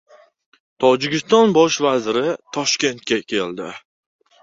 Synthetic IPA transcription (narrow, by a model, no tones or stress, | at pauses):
t̪ʰɒd͡ʒɪɡʲɪst̪ɒnbɒʃvazɾɪt̪ʰɒʃkʲe̞nt̪̚kʲakʲʰe̞ld̪ɪ